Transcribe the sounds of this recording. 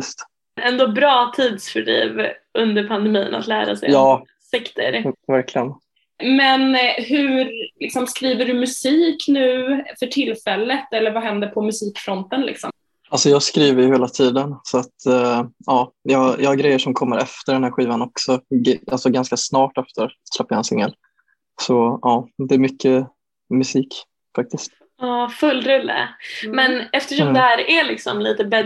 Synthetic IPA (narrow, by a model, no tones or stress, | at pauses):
jst̪ | ɛnd̪oːbɾɑːt̪ʰiːd̪sfœɖḭːvɵnd̪əɾpʰand̪ɛmiːna̰t̪læ̰ːɾa̰sɛ̰jjɑː | sɛkt̪ʰə̰ɾvæɾklɪɡən | mɛnɦʉɾlɪksɔmskɾiːvəɖɵmɵsiːknʉ̟ːfœʈʰɪlːfɛlːət̪ɛlːəɾvaɦɛnd̪əɾpʰɔmɵsiːkfɾɔnt̪ənlɪ̰ksɔ̰m | alsɔjɑːskɾiːvəɾjɵheːlat̪ʰiːd̪ənsɔat̪ʔɑːjɑːjɑːhaɾɡɾɛjːəʂɔmkʰɔmːəɾʔɛft̪əɖɛnhæːɾɧiːvanɔksɔalsɔɡanskasnɑːʈːɛft̪ʰəɾslɛpːajaɛnsɪŋːə̰l | sɔɑːd̪ɛːɾmʏkʰːə | mɵsiːk | fak̚t̪ɪst̪ | ɑːfɵlːɾɵlːə̰mɛnɛft̪əʂɔmd̪hæːɾælɪksɔ̰mliːt̪əbɛ